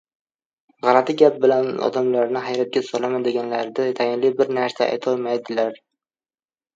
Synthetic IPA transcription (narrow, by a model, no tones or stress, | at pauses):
ʁɑɾat̪ʰɪɡʲap̚bɪlanɒ̰d̪amlaɾnɪɦajɾat̪̚ɡʲasɒlamad̪ɪɡʲanlaɾd̪ɪt̪ʰajɪnlɪbɪɾnaɾsaʔa̰jt̪ʰɒlˠmajd̪ɪlaɾ